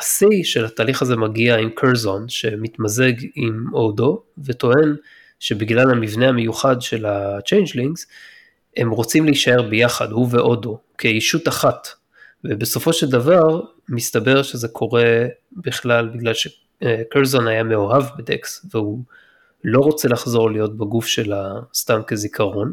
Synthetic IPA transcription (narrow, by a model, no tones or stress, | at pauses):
asiʃe̞lhat̪aːliχaze̞maɡiaimkʰeʁzonʃe̞mit̪maze̞ɡimodo̞vet̪o̞e̞n | ʃe̞biɡlalhamivne̞hame̞juχadʃe̞lat͡ʃejnd͡ʒliŋɡz̥ | he̞mʁo̞t͡simleiʃae̞ʁbe̞jaχadhuve̞ʔo̞do̞ | kʰeiʃutaχat | vebeso̞fo̞ʃe̞ldavaʁ | mist̪abe̞ʁʃe̞ze̞kʰo̞ʁe̞biχlalbiɡlalʃe | kelzonajame̞oɦavbedḛksveu | lo̞ʁo̞t͡se̞laχzo̞ʁlijo̞t̚baɡufʃe̞last̪amke̞zikʰaʁo̞n